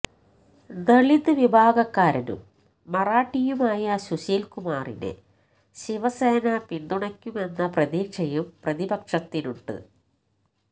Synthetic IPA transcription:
d̪ɐɭid̪ɨʋibʱaːɡɐkːaːɾɐnṵmː | ɐraːʈːijumaːjɐɕuɕiːlkumaːrḭnḛ | ɕiʋɐseːnɐpind̪uɳɐkʲːume̞nːɐprɐðiːkʂɐjumprɐðibɐkʂɐt̪ːinuɳɖɨ̰

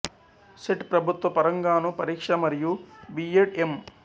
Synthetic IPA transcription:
seʈpɾɐbʱut̪ʋɐpɐɾɐŋɡaːnupɐɾiːkʂɐmɐɾijubiːeʈem

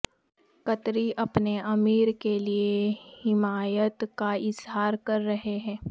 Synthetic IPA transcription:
kɐt̪ɾiʔɐpneʔɐmiːɾkeliehɪmaːjət̪kaɪzɦaːɾkɐɾːɐɦeɦɛ̃ː

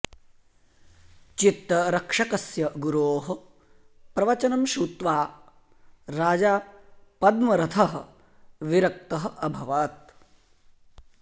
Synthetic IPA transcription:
t͡ʃit̪ɾɐɾɐkʂɐkɐsjɐɡuɾoːɦɐ̆ | pɾɐʋɐt͡ʃɐnɐmʃuːt̪ʋaː | ɾaːd͡ʒaːpɐd̪mɐɾɐt̪ʰɐɦɐ̆ | ʋiɾɐk̚t̪ɐɦɐ̆ɐbʱɐʋaːt̪̚

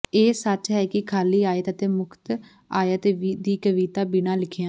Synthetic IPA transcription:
eːsət͡ʃɦɛːkɪkʰaːliːaːjt̪ət̪eːmʊkʰt̪ | aːjt̪eːʋiːd̪iːkəʋiːt̪aːbɪnãːlɪkʰjãː

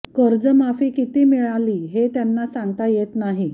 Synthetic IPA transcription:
kəɾd͡zəmafiːkit̪iːmiɭaliːɦet̪janːasãŋɡt̪ajet̪naɦi

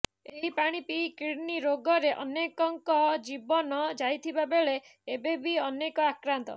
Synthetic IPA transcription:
eɦipaɽ̃ipikiɽniɾoɡɔɾeʔɔ̰nekɔŋkɔd͡ʒibɔnɔd͡ʒajt̪ʰibabeɭe | ebebiɔnekɔakɾant̪ɔ̰

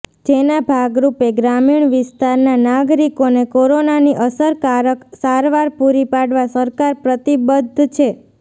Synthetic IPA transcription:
d͡ʒenabʱaɡɾupeɡɾamiɳ̃ʋɪst̪aɾnanaɡɾikonekoɾonaniʔəsəɾkaɾəksaɾʋaɾpuɾipaɽʋasəɾkaɾpɾət̪ibəd̪ʱt͡ʃʰe

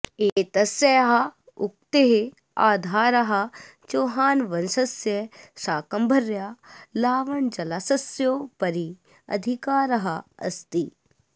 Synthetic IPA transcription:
eːt̪ɐsjɐjɦɐ | ʊk̚t̪eɦe | aːd̪ʱaːɾɐɦɐ̆t͡ʃoːɦaːnʋɐnsɐsjɐsaːkɐmbʱɐɾjaːlaːʋɐɳd͡ʒɐlaːsɐsjoːpɐɾi | ɐ̰d̪ʱikaːɾɐɦɐɐ̰st̪i

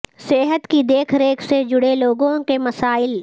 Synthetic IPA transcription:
seːɦət̪kid̪eːkʰɾeːkʰsed͡ʒʊɽeloːɡõkemɐsaːɪl

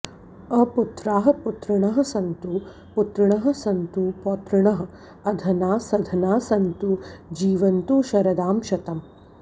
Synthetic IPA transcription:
ɐput̪ɾaːɦɐ̆put̪ɾɐɳɐɦɐ̆sɐnt̪u | put̪ɾɐɳɐɦɐ̆sɐnt̪upoːt̪ɾɐɳɐɦɐ̆ | ɐd̪ʱɐnaːsɐd̪ʱɐnaːsɐnt̪ud͡ʒiːʋɐnt̪uʃɐɾɐd̪aːmʃɐt̪ɐm

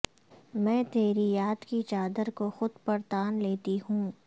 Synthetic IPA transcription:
mɛ̃ːt̪eːɾijaːd̪kit͡ʃaːd̪əɾkoxʊd̪pɐɾt̪aːnleːt̪iɦũː

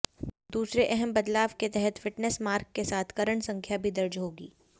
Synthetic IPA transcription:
d̪uːsɾeʔɛɦɛmbɐd̪laːʋket̪ɛɦɛt̪ʰfɪʈnəsmaːɾkːesaːt̪ʰkɐɾəɳsɐ̃ŋkʰjabʱid̪ɐɾd͡ʒɦoːɡḭː

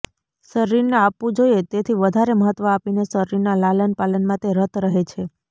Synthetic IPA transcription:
səɾiɾneapʋũd͡ʒojet̪et̪ʰiʋəd̪ʱaɾeməɦət̪ːʋəapinesəɾiɾnalalənpalənmãt̪eɾət̪ʰɾəɦet͡ʃʰe

